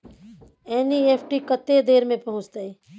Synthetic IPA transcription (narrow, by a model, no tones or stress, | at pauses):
eːnieːpʰʈikət̪ːed̪eːɾmẽpɐɦʊ̃t͡ʃt̪aeː